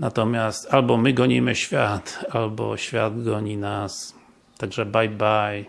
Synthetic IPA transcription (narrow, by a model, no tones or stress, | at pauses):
nat̪ɔmʲjast̪albɔmɘɡɔɲimɘɕfʲjat̪albɔ̰ɕfʲja̰d̪ɡɔɲinas | t̪aɡʐɛbajbaj